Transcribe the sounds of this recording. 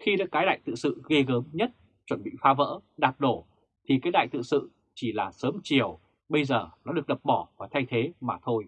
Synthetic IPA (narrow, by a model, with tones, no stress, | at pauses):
xi˧ɗa̰ː˨˦˥kaː˨˦jɗa̰ː˧˨jt̪ɨ̰˧˨sɨ̰˧˨ɣe˧ɣəː˨˦mɲə˦˥t̚ | t͡ɕwə˧˩nɓḭ˧˨faː˨˦və̰ː˧˥ɗaː˨˩p̚ɗo˧˩ | t̪ʰi˨˩kaː˨˦jɗa̰ː˧˨jt̪ɨ̰˧˨sɨ̰˧˨ | t͡ɕi˧˩laː˨˩səː˨˦mt͡ɕi˧˩əw | ɓə˧jzəː˨˩nɔ˨˦ɗɨ˨˩ək̚ɗə˨˩p̚ɓɔ˧˩vaː˨˩t̪ʰa˧jt̪ʰe˨˦maː˨˩t̪ʰo˧j